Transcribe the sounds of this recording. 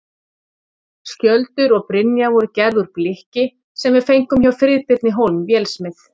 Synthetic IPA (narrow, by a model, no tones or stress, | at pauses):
scœlt̪ʏɾɔɣpɾɪnjavɔɾʏcɛɾðʏɾplɪhcɪ | sɛmvɪðfejŋ̥kʏmçawfɾɪðpɪɾt̪nɪɦowlmvjɛːlsmɪθ